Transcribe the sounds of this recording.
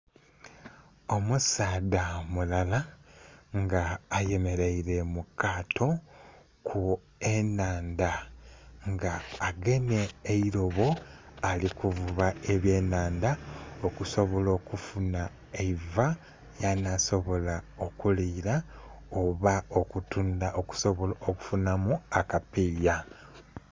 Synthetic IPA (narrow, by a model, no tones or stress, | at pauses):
o̞musaːdamulala | ŋɡaːje̞me̞ɾeiɾe̞mukaːtʰo̞ | kʰu | enaːnda | ŋɡaːɡe̞ne̞ːiɾo̞βo̞alikuvuβae̞βje̞ːnaːndaokuso̞βo̞lo̞ːkufuna | eiva | janaso̞βo̞lao̞kuliːɾa | oβaokutundaoku̥soβoloku̥funamuakapiːja